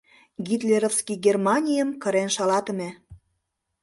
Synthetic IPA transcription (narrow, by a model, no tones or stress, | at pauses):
ɡit̪lʲeɾofskiɡermɑnʲijəmkə̆ɾenʃɑlɑt̪ə̆mĕ